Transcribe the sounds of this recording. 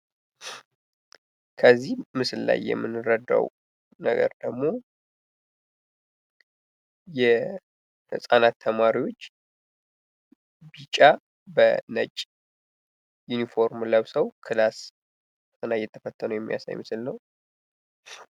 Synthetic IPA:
kʰəzːihmɨsɨlla̰jːɛ̰mːɨnːɨɾəd̪a̰w | nəɡə̰ɾd̪əɡmo̞ | jɛ | hɨ̰sʼanat̪ʰːəmaɾiwo̞t͡ʃː | bit͡ʃʼa | bənə̰t͡ʃʼ | junifo̞ɾmləβsəwkʰɨlas | ɨnajːɛt̪ʰːəfət̪ʰːənuwjɛmːija̰sa̰jmɨsɨlnəw

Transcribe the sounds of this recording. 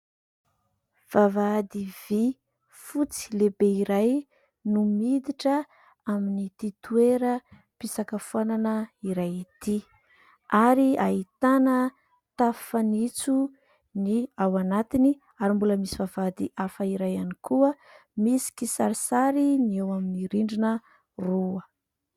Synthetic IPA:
v̥avad̪ivi | fut͡si̥lebeiɾaj | numid̪iʈ͡ʂə | aminit̪it̪ueɾə | pisakəfuananəiɾajit̪i | aɾiait̪anə | t̪afanit͡su | niawanat̪ini | aɾimbuləmisivavad̪iʔafəiɾajanikuə | misi̥kisaɾisaɾiniewaminiɾiɳɖ͡ʐinə | ruə

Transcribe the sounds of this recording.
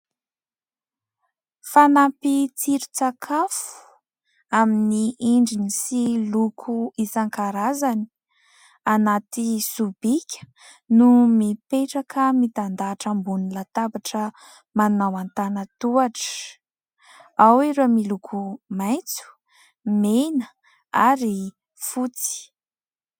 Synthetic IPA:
fanapit͡siɾu̥t͡sakʰafu̥ | aminiʔiɳɖ͡ʐinisilukʰuisaŋkaɾazani̥ | anat̪isubikʲə̥ | numipeʈ͡ʂakʰəmit̪and̪aʈ͡ʂəmbunilat̪abaʈ͡ʂə | manawant̪anət̪uaʈ͡ʂə̥ | awiɾoamilukʰumajt͡su̥ | menə | aɾi | fut͡si̥

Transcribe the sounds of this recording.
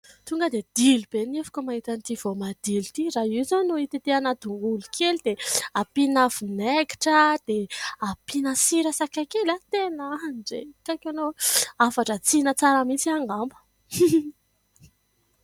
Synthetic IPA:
t̪uŋɡəd̪ed̪ilib̥enefu̥kəmaɦit̪ant̪iv̥omad̪̥ilit̪iɾaɦizonuit̪it̪eanad̪uŋɡulukʰelid̪̥eapinav̥uneki̥ʈ͡ʂəd̪̥eapinəsiɾəsakakelat̪enanɖ͡ʐekakanoafaʈ͡ʂət͡sinət͡saɾəmit͡siaŋɡambə̥

